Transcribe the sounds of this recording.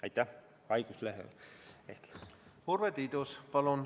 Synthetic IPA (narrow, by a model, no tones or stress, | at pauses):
ɑjt̪ːˑæh | ɑjɡ̥usleɦḛeht̪lhurvet̪id̪uspɑlun